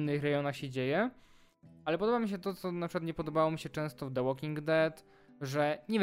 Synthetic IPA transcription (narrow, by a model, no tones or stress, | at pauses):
nːɘxɾɛjɔnaxɕɛd͡ʑejɛ | alɛpɔd̪ɔbamʲiɕ̬ɛt̪ɔt̪sɔnapʂɨkwat̪ɲɛpɔd̪ɔbawɔmʲiɕɛt͡ʂɛ̃w̃st̪ɔvd̪ɛwɔkʲiŋɡd̪ɛt̪ | ʐɛɲɛvʲ